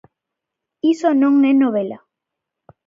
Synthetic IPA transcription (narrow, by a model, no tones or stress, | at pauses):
isonõŋenoβela